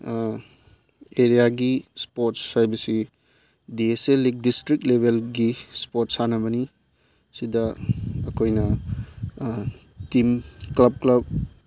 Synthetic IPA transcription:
eɾijaɡispotshajbɐsi | dieselik̚distɾik̚lebʱelɡispotsanɐbɐni | sidɐɐkʰojnɐ | timklɐb̚klɐb̚

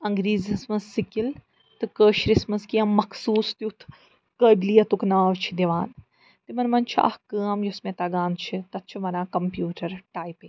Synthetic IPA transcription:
ɐŋɡɾiːzismɐzːikil | t̪ɨkəːʃɾismɐskiɐmːɐkʰsuːst̪iut̪ʰ | kəːɖlijɐt̪uknaːʋt͡ʃʰid̪iʋaːn | t̪imɐnmɐnt͡ʃʰa̰ːhkəːɐmjosmẽt̪ɐɡaːnt͡ʃʰit̪ɐt̪̚t͡ʃʰiʋɐnãːkɐmpjuːʈɐɾʈaːjpi

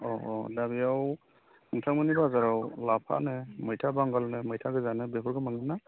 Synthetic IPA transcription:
ɔɔdabiaw | uŋtʰaŋmanibazaɾawlapʰa̰nɛmɯjtʰabaŋɡalnɛmɯjtʰaɡɯzanɛbepʰɔɹɡɯmaŋɡɯnːa

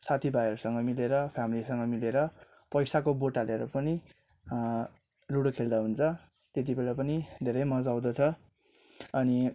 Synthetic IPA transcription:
sat̪ʰibajʌɾusʌŋɡʌmileɾʌpʰjamilisʌŋɡʌmileɾʌ | pʌjsakoboʈaleʌɾupʌni | luɽokʰeld̪aɦunt͡sʰʌ | t̪et̪ibelapʌnid̪ʱeɾʌjmʌd͡zaw̃d̪ʌt͡sʰʌ | ʌni

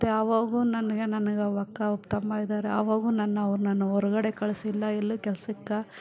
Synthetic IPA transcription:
t̪ːeɐʋaːɡunɐnɐɡenɐnɐɡɐʋɐkːɐupt̪ɐmbaːɡid̪aːɾeɐ̰ʋaːɡunɐnːɐɐʋɐɾunɐnːuɔɾɐɡɐɽe̞kɐɭsilːɐilːukɛlɐsɐkːa

